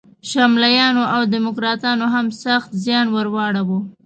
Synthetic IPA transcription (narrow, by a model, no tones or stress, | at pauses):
ʃamlajɑnoʔawd̪ɪmʊkɾɑt̪ɑnoɦamsaxt̪zjɑnwaɾwɑɽawu